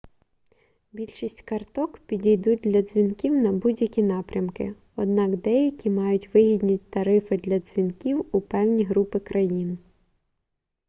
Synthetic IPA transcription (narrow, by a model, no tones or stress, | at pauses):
bʲilʲʃisʲtʲkɐrt̪ɔkpʲidʲijd̪ut̚ʲd̪lʲɐz̥ʲʋʲinkʲiwnɐbudʲjɐkʲinɑpɾʲɐmkɪ̰ | ɔd̪̚nɑkd̪ɛjɐkʲimɑjʊtʲʋɪɦʲid̪ʲnʲit̚ʲt̪ɐɾɪfɪd̪lʲɐz̥ʲʋʲinkʲiwupɛwnʲiɦɾupɪkɾɐjin